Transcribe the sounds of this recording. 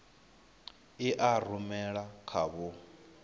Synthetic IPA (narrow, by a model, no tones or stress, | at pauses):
iʔarumɛɺakʰaβʊ